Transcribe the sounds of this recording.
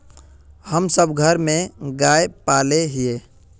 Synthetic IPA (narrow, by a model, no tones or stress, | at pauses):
həmsəbɡʱəɾmẽɡaːepaːleɦɪeː